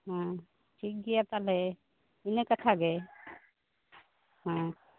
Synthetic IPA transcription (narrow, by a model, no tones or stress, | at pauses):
ɦã | ʈʰik̚ɡijat̪ale | inekət̪ʰaɡɛ | ɦã